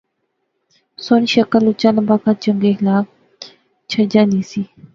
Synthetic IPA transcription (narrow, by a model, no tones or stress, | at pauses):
sonʃəkəlut͡ɕalɐmbakat͡ʃəŋɡeɦlaːk̚ | t͡ɕʰəd͡ʒaːnisi